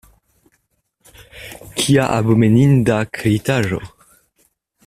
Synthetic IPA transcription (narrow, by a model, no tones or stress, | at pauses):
kʰiaʔa̰bomenindakʰɾet̪aʒo̰